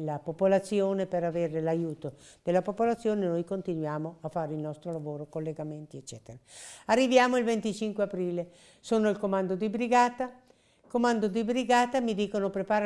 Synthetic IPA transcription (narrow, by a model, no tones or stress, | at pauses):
lːapopolat̪sːjoːnepeɾaveːɾelajuːt̪o | d̪̥elːapopolat̪sːjoːnenojkont̪inwjaːmoafːaːɾeilnɔst̪ɾolavoːɾokolːeɡament̪iet͡ʃːɛːt̪eɾaarːivjaːmoilvent̪it͡ʃiŋkweapɾiːle | soːnoilkomand̪od̪ibɾiɡaːt̪a | komand̪od̪ibɾiɡaːt̪amid̪iːkonopɾepaːɾ